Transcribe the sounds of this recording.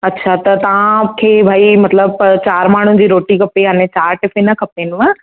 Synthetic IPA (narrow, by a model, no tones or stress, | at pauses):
ɐtːɕʰat̪ɐt̪ɐʋãkʰeːbʱaːimɐt̪ləbt͡ɕaːɾmaːɳ̤ũd͡ʑiːɾoːʈikʰɐpeɦaːnẽt͡ɕaːɾʈɪfenɐkʰɐpeːnʊʋã